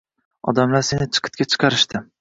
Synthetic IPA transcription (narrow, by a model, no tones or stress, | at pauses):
ɒ̰d̪amlaɾse̞nɪt͡ʃʰɨ̥qʰɨ̥t̪̚kʲat͡ʃʰɨ̥qʰɑɾɪʃt̪ɪ